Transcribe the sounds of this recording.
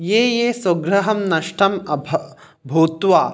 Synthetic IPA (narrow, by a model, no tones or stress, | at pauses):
jeːjeːsɐɡɾɐɦɐmnɐʂʈʰɐmɐbʱ | bʱuːt̪ʋaː